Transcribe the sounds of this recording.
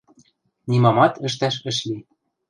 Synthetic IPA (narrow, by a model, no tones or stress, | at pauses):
nʲimɑmɑt̪ɘ̆ʃ̬t̪æʃɘ̆ʃli